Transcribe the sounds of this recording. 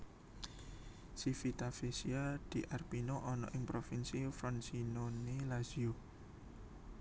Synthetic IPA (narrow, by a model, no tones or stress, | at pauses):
sifit̪afesiad̪̥i̤ʔarpinoʔɔnɔ̰ʔɪŋpɾofinsifɾɔnsinonelaz̥io